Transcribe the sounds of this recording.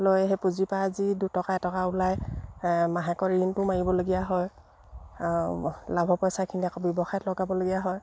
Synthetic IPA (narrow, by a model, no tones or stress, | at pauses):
lojɛɦɛpuzipaːzidutɔkaɛtɔkaulaj | maɦakɔɹintʊmaɹibɔloɡijaɦɔj | labʱɔpɔjsakʰiniakɔbjɔbɔxajɔtlɔɡabɔloɡijaɦɔj